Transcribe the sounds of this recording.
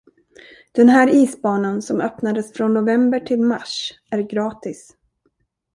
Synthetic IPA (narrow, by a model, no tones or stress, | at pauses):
d̪̥ɛnɦæːɾiːsbɑːnansɔmœpnad̪əsfɾɔnːʊvɛmbəʈʰɪlmaʂ | æɾɡɾɑːt̪ɪs